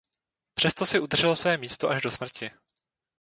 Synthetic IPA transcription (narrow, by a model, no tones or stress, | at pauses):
pr̥ɛst̪o̞sɪʔud̪r̩ʒ̥ɛlosvɛːmiːst̪oʔaʒdo̞smr̩cɪ